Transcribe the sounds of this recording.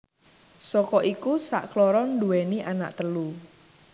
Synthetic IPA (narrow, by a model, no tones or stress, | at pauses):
sɔkɔʔikusa̰ʔklɔɾɔnduwɛniʔana̰ʔt̪əlu